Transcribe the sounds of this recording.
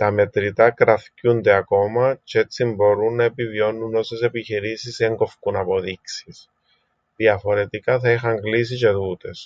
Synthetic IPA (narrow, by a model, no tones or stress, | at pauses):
t̪ɐme̞t̪ɾit̪ɐkɾɐθcund̪e̞ɐko̞mɐt͡ʃe̞t͡sːimbo̞ɾunːɐe̞pivio̞nːuno̞se̞se̞piçiɾisise̞ŋɡo̞fkunɐpo̞ðiksis | ðiɐfo̞ɾe̞t̪ikɐθɐixɐŋɡlis̬ice̞ðut̪e̞s